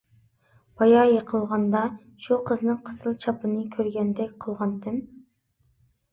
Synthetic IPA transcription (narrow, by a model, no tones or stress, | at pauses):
b̥ɑjɑjeqʰəlˠʁɑnd̪ɑ | ʃuqʰəznɨŋqʰə̥sɨlˠt͡ʃʰɑpɨnɨkʲʰøɾɡʲɛnd̪ɛk̚ʲqʰəlˠʁɑnd̪ɪm